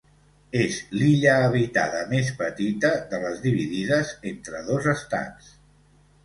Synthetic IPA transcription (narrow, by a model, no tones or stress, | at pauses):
ezliʎəːβit̪a̰ðəmespət̪it̪əðələzðiβ̞iðiðəzent̪ɾəðozəst̪a̰ns